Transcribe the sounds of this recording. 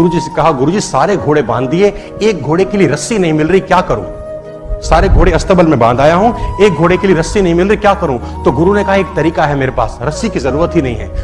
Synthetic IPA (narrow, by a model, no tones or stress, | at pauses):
ʊɾud͡ʒisekɐɦaɡʊɾud͡ʒiːsaːɾeɡʱoːɽebãːnd̪ie | eːk̚ɡʱoːɽekelieɾɐsinɐɦĩmɪlɾɐikjaːkɐɾõ̰ː | saːɾeɡʱoːɽeɐst̪əbəlmẽbãːnd̪ʱaːjaɦũːeːk̚ɡʱoːɽekelieɾɐsinɐɦĩmɪlɾɐikjaːkɐɾũt̪oɡʊɾunekɐɦaeːk̚t̪ɐɾiːkaɦɛmeːɾepa̰ːsɾɐsikizɐɾuːɾət̪ɦinɐɦĩɦɛ̰ː